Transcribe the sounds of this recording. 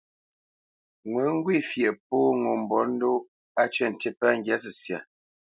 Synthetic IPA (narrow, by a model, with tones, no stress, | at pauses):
ŋwɛ˨˦ŋ̩˦ɡwi˦˨fje˨p̚oː˦ŋo˨m̩˨bɔ˨˦n̩˦do˦ | a˦t͡ʃɛ˦˨n̩˨te˦pa˦ŋ̩˦ɡja˦s̬ə˨sja̰˨